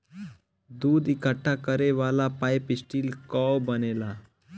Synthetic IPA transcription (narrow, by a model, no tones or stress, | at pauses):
d̪uːd̪ikəʈʰːakəɾeʋalapajpisʈiːlkɔbənela